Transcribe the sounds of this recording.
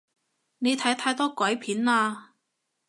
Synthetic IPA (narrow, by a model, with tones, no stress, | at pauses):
ne˨˧jt̪ʰɐ˨˥jt̪ʰaː˧jt̪ɔː˥kʷɐ˨˥jpʰiː˨˥naː˧